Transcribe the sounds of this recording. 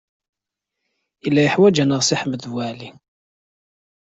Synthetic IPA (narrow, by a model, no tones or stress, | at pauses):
ilːæjəħwæd͡ʒænəʁsiħməθvwæʕli